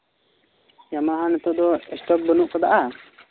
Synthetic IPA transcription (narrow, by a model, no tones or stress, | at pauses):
jamaɦanɛt̪ɔd̪ɔɛsʈɔk̚bənuʔkɔd̪aʔa